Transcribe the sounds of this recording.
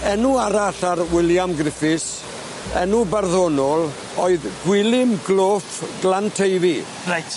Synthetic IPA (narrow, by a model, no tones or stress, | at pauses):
ɛnuaɾaɬaɾwɪljamɡrɪfɪs | ɛ̰nubɛrðɔnɔlˠ | oːɨðɡwɪlɪmɡloːfɡlantʰejvi | rajt